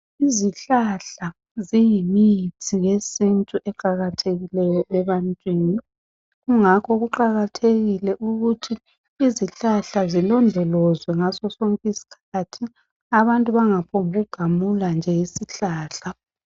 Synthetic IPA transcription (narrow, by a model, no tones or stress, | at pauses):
iziɬaɬa | zijimijitʰiɣesintʼuʔɛǃaɣatʰeɣilɛjɔɛβantʼwiːni | ɣuŋakʰɔɣuǃaɣatʰeɣilɛʔuɣutʰiː | ziɬaɬazilɔndʱɔlɔzwɛŋasɔsoŋkʼisi̥kʰatʰi | aβantʼuβaŋapʰoŋɣʱuɡ̥ʱamuland͡ʒʱɛjisiɬaːɬa